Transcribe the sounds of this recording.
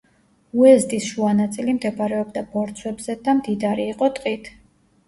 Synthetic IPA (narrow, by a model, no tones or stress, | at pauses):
uɛzt̪ʼisʃuanat̪sʼilimd̪ɛbaɾɛɔbd̪abɔɾt̪sʰwɛbzɛd̪amd̪id̪aɾiːqʼɔt̪ʼqʼit̪ʰ